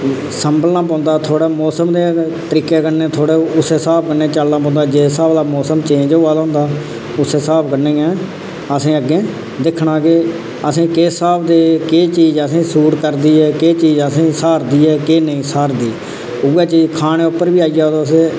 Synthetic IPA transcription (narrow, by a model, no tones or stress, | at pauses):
səmbəlnãːp̬ãːnd̪aːt̪ʰoːɽeːmɔːsəmd̪eː | t̪əɾiːkeːkənẽːt̪ʰoːɽeːʊseːsaːp̚kəɾnẽːt͡ʃəlːãːp̬ɔ̃ːnd̪aːd͡ʒeːsaːbd̪aːmɔːsəmt͡ʃẽːnd͡ʒoːaːlõːnd̪aː | ʊseːsaːpkəɾnẽːɛ̃ː | əsĩːəɡẽː | d̪ɪkʰɳãːkɪ | əsĩːkeːsaːbd̪eːkeːt͡ʃiːd͡ʒəsĩːsuːʈkəɾd̪iːɦɛːkeːt͡ʃiːd͡ʒəsĩːsaːɾd̪iːɦɛːkeːnəĩːsaːɾd̪iː | ʊɛːt͡ʃiːd͡ʒkʰaːɽ̃ẽːʊpːəɾbiːaːijaːod̪oːəseː